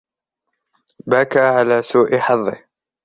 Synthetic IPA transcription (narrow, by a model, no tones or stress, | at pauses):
baːkaʕalaːsuːʔɪħɑðˤːɪh